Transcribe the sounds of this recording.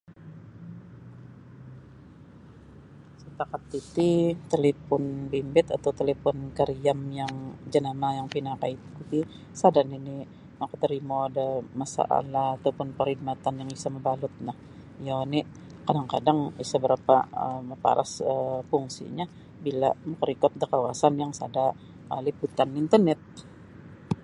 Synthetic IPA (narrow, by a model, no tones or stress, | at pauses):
səpakat̪ːit̪it̪elefɔnbimbɪt̪a̰t̪awt̪elefɔnkəɾiamjaŋd͡ʒanamajaŋpinakait̪kut̪i | sadanini | nakət̪əɾimodəmasa̰ʔa̰laːt̪awpʊnpərhid̚mat̪anjaŋisaməbalʊt̪̚nah | jani | kadaŋkadaŋisabəɾapa̰ə̰məpa̰ɾʔa̰səpuŋsḭɲa | bila̰məkəɾikɔt̪̚dəkawasanjaŋsada | əliput̪anint̪ərnɛt̪̚